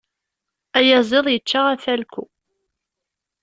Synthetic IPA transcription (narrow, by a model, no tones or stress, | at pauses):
æjɑzˤeðˤjət͡ʃːaʁæθælkʷu